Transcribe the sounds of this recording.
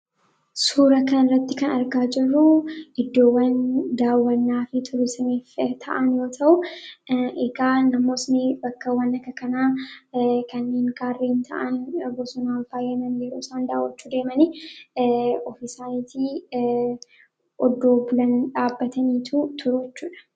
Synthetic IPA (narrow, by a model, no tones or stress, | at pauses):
suːɾɐkɐnɪrːɐt̪ːɪkɐnɐɾɡaːd͡ʒɪrːʊʔɪd̪ːo̞ːwːɐnd̪aːwːɐnːaːfɪt̪ʰʊlɪsɐmiːft̪ʰɐ̰ʔɐnjo̞ːt̪ʰɐʔʊ | ɛɡaːnɐmo̞ːsnɪbɐkːɐwɐnːɐkːɐkɐnaː | kɐnːeːŋkaːrːeːnt̪ʰɐ̰ʔɐnɡɔsʊnaːnfaːjːɐnɐnjɛɾoːsaːnd̪a̰ːwːɐt͡ʃːuːd̪e̞ːmɐnɪ | ɔfɪsaːniːt̪i | ʔɔd̪ːo̞ːbʊlɐnᶑaːbːɐt̪ɐniːt̪ʰut̪ʰʊɾʊɛt͡ʃːuːᶑɐ̥